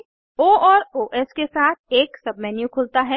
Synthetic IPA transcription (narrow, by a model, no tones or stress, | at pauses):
oːɔːɾoːʔɛskesaːt̪̚ʰeːksɐbmɛːnjũkʰʊlt̪aɦɛ